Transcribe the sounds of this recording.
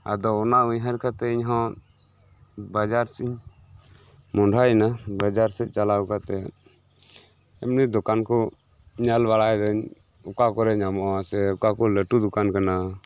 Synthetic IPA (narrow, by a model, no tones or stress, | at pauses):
a̰d̪ɔːnauɲɦaɾkʰat̪ɛiɲɦɔ̃ | bad͡ʒaɾsiɲ | mɔɳɖʱajnabad͡ʒaɾsɛˀt͡ʃalawkat̪ɛ | ɛmnid̪ɔkankɔ | ɲalbaɽajd̪ɔɲ | ukakɔɾɛɲamɔʔasɛukakɔləʈud̪ɔkankana